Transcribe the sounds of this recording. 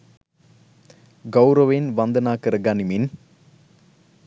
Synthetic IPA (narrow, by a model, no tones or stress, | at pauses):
ɡɐwɾɐʋenʋɐnd̪ɐnaːkɐɾɐɡɐnimin